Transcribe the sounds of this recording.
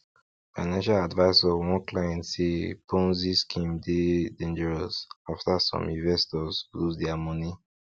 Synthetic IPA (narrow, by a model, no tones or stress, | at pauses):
faɪnãnʃaladvaɪsɔwɔ̃nklajɛ̃ntsepʰõnziskʰĩmdedẽnd͡ʒɛɹɔsaftasɔ̰̃mĩnvɛstɔzluzdɛamɔni